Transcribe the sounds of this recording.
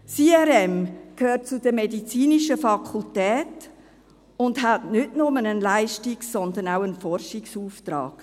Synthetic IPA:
siːɛɾɛmkʰhøːɾt̚t͡sʊd̥əmɛdit͡siːniʃəfɑkʰʊltɛːt | ʊndɦatnʏtnʊmənənlaɪʃtiksɔnd̪ənawənfɔrʃiksuːft̪ɾɑ̰ːɡ̥

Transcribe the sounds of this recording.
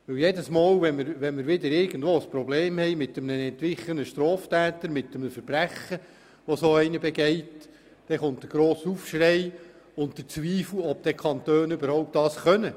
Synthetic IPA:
ʋɵwjɛdəsmɑːlʋɛmɪɾʋɛnmɪɾʋɪd̪əɾɪɾɡən̩dʋoːəspɾɔbleːmhɛjmɪt̪ːəmnənɛnt̪ʋɪχənəʃtɾɔːftæːtəɾmɪtːəməfəɾb̥ræχə | ʋɔsoːɛɪnəbɛɡɛɪt | d̥ɛχʊntdəɡ̥ɾoːsufʃrɛɪ | ʊntd̪̥ət͡sʋiːflɔbd̥̪ɛkʰɑnt̪øːnʏbəɾhɔʊp̚t̚d̥ɑːsχœnə

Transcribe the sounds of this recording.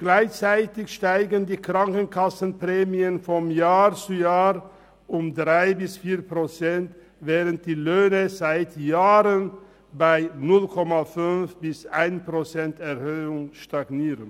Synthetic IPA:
ɡ̥laɪçt͡saɪtɪçʃtaɪɡəndiːkʁ̥aŋkənkʰasən̩pʁ̥ɛːmiənfɔmjaːʁt͡sujaːʁ | ʔʊmdʁaɪbɪsfiːɐpʁ̥ot͡sɛnt | vɛːʁənt̚d̥iːløːnəzaɪtjaːʁən | baɪnʊlkʰɔmafʏnfb̥ɪsʔaɪnpʁ̥ot͡sɛntɛʁhøːʊŋʃtaɡniːʁən

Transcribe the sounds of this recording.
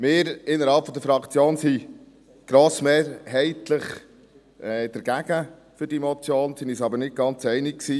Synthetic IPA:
mɪːɾɪnːəɾhɑlpfɔdəɾfɾɑkt͡sjoːnsi | ɡ̥ɾoːsmeːɾhɛɪt̪ləχ | ɛːd̥̪əɾɡ̥æɡ̥ə | fʏɾd̥imot͡sjoːnsinisɑbəɾnɪd̚ɡ̥ɑnt͡sɛɪnɪkksiː

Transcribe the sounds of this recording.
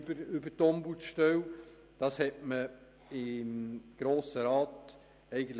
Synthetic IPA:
bəɾʏbəɾtɔmbusʃtœw | d̥ɑshɛtmə | ɪmɡ̥ɾoːsəɾɑːt | ɛɪɡən̩t

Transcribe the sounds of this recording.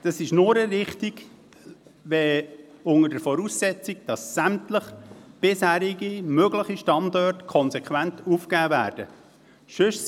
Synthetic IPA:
d̥ɑsɪʃnʊɾəɾɪχtiɡ | ʋɛʊŋədəɾfɔɾuːsːɛt͡siɡd̥ɑsːæmtləχb̥ɪshæːɾiɡimøɡləχiʃtɑndɔtkʰɔnsɛkχʋæntuːfkæːvæːɾd̥ə | ʃɵs

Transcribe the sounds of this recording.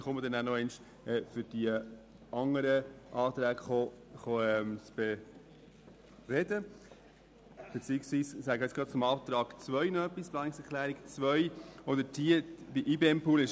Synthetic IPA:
χʊməd̥̪ɛnænɔɛnʃ | ɛːfʏɾd̥iə | ɑŋːəɾəʔɑːt̪ɾæːɡχɔ | χoɛmt͡sb̥ɛ | rɛdə | b̥ɛt͡siːɪksʋiːssæɡəɛt͡sɡɾɑt̪t͡sʊmɑːt̪ɾɑːɡ̥t͡svœʏnɔœpːisplɑːnɪksɛɾkʰlæːɾiɡt͡svœʏɔdədiəd̥iʔiːbeːɛmpʰuːlɪʃ

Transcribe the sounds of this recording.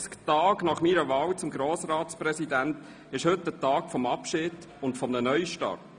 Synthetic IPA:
sktɑːɡnɑχmiːɾəvɑːwt͡sʊmɡɾoːsɾɑːt̪sprɛsidænt | ɪʃhɵtːdətɑːkfɔmɑpʃɪd | ʊntfɔmnənœʏʃtɑ̰rt

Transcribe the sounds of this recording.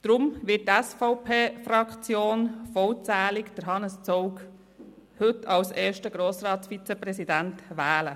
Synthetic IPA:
d̥ɾʊmʋɪt̚tæsfɔʊpʰeːfɾɑkʰt͡sjoːnfɔwt͡sæːlɪkd̥əɾɦɑnəst͡sɔʊk | hɵtʰɑwseːɾʃtəɡɾoːsɾɑːtsfit͡sɛpɾɛsidæntʋæːlə

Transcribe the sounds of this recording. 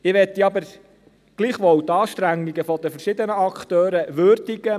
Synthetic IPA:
ɪʋɛt̪ːiɑbəɾ | ɡ̥liːχʋɔwt̪ɑːʃt̪ɾæŋːiɡəfɔd̪əfəɾʃɪd̪ənəɑkt̪øːɾəʋøɾd̪iɡə

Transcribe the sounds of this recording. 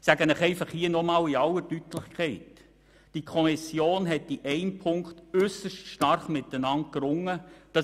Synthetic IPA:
sæɡənɪχɛɪfɑχhiənɔmɑːliɑlətytlɪχkχɛɪt | d̥ikʰɔmɪsjoːnɦɛtiʔɛɪmpʰʊŋktʏsəʃtʃtɑrχmɪt̪ənɑnt̚kɾʊŋːəd̥ɑ

